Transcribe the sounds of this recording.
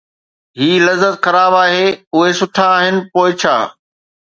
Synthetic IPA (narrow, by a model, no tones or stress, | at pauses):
ɦiːlɐzət̪xɐɾaːbaːɦeːʊɦesʊʈʰaːɦɪnɪ̆poːɪt͡ɕʰa̰ː